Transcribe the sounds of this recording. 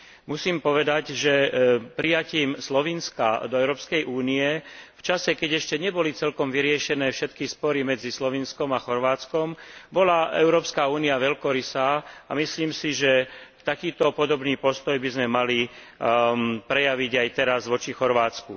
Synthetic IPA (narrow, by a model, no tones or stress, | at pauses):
musiːmpɔʋɛd̪aɟʒɛpɾijaciːmslɔʋinska̰d̪ɔɛʊɾɔːpskɛjʔuːniɛft͡ʃasɛkɛɟɛʃcɛɲɛbɔlit͡sɛlkɔmʋiɾɪɛʃɛnɛːfʃɛt̪kispɔɾimɛd͡zislɔʋinskɔmaxɔɾʋaːt͡skɔmbɔlaɛ̰ʊɾɔːpskaːuːniaʋɛʎkɔɾisaːa̰misliːmsiʒɛt̪akiːt̪ɔpɔd̪ɔbniːpɔst̪ɔjbizmɛmali | pɾɛjaʋiɟajt̪ɛɾazʋɔt͡ʃixɔɾʋaːt͡sku